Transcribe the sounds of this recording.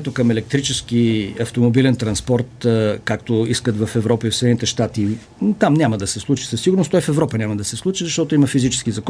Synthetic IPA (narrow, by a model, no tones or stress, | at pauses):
t̪okəmɛlɛk̚t̪ɾit͡ʃɛsk̟iɐft̪omobilɛnt̪ɾɐnspɔɾt̪kak̚t̪oiskət̪vɐfɛvɾɔpəifsɛd̪ɛnit̪ɛʃt̪at̪i | t̪amnʲaməd̪ɐsɛslˠut͡ʃi̥səsːiɡʊɾnost̪ɔifɛvɾɔpənʲaməd̪ɐsɛslˠut͡ʃizɐʃt̪ɔt̪oiməfizit͡ʃɛ̥skizɐkɔ